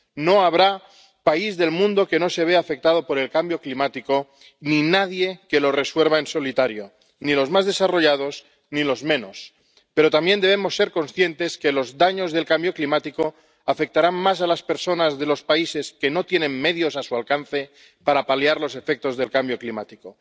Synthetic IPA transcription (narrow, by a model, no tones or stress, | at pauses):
no̞aβɾa | paizðe̞lmũnd̪o̞ke̞no̞se̞β̞eafe̞k̚t̪að̞o̞po̞ɾe̞lkambjo̞klimat̪iko̞ | ninaðje̞ke̞lo̞re̞swe̞lβaenso̞lit̪aɾjo̞ | nilo̞zmazðe̞saro̞ʝað̞o̞z | nilo̞zmẽ̞no̞s | pe̞ɾo̞t̪ambje̞nd̪e̞β̞emo̞sːe̞ɾko̞nsθje̞nt̪e̞ske̞lo̞zðaɲo̞zðe̞lkambjo̞klimat̪iko | afe̞k̚t̪aɾanmas̬alaspe̞ɾso̞nazðe̞lo̞spaise̞ske̞no̞t̪je̞nẽ̞nme̞ðjo̞sasualkan̟θe̞ | paɾapaljaɾlo̞se̞fe̞k̚t̪o̞zðe̞lkambjo̞klimat̪iko̞